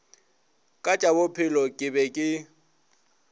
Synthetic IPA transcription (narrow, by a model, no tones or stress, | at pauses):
kʼat͡ʃʼabʊpʰɪlɔkʼɪbɛkʼɪ